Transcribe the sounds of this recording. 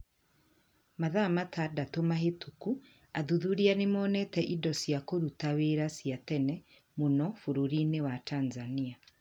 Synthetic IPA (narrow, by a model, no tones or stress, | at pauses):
maðamatadatomahetʰuku | aðuðuɾianemɔnɛtɛʔidɔsjakoɾutaweɾasiatɛnɛ | munɔfuɾuɾinewatʰanzania